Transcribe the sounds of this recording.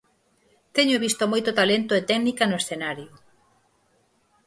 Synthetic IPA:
t̪ɛɲʊβist̪omojt̪ʊt̪alent̪ʊet̪ɛknikanʊesθenaɾjʊ

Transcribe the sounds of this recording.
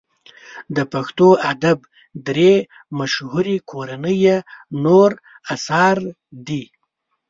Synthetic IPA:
d̪əpaxt̪oad̪ab | d̪ɾe | maʃhuɾikʰoɾanəjenoɾ | asɑɾ | d̪i

